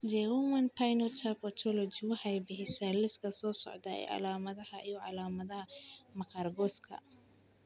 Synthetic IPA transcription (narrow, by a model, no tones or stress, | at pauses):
d͡ʒɛwumɐnpʰajnɔt͡ʃapɔt̪ʰɔlɔd͡ʒiwɑħɑjbɪħɪsalɪskʰɐsɔːsɔ̰ʕd̪ɐɛ̰jʕɑ̰laːmɐðɐhɐʔijɔʕɑlaːmɐðɐhɐmɑqɑːrɡɔskʰɐ̰